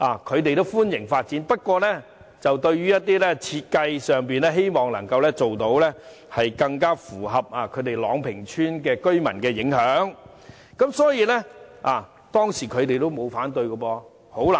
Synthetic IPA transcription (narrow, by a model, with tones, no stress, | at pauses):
ʔaː˨kʰɵ˨˧ɥt̪e˨jt̪o˥wfuː˥njɪ˨˩ŋfaː˧t̚t͡siː˨˥npɐ˥t̚kʷɔː˧lɛ˥ | t͡sɐ˨wt̪ɵ˧ɥɥyː˥jɐ˥t̚t̪iː˥lɛː˥t͡sʰiː˧t̚kɐ˧jsœː˨ŋpiː˨nlɛ˥ɦe˥jmɔː˨ŋlɐ˨˩ŋkɐ˧wlɛ˥t͡so˨wt̪o˨˥wlɛ˥ | hɐ˨jkɐ˧ŋkaː˥fuː˨˩ɦɐ˨p̚aː˨kʰɵ˨˧ɥt̪e˨˩jlɔː˨˧ŋpʰɪ˨˩ŋt͡ʃʰyː˥nkɛː˧kɵ˥ɥmɐ˨˩nkɛː˧jɪ˨˥ŋhœː˨˥ŋ | kɐ˨˥msɔː˨˥jiː˨˧lɛ˥aː˨˩ | t̪ɔː˥ŋsiː˨˩kʰɵ˨˧ɥt̪e˨jt̪o˥wmo˨˧wfaː˨˥nt̪ɵ˧ɥkɔ˧pɔː˧ | ho˨˥wla˨˩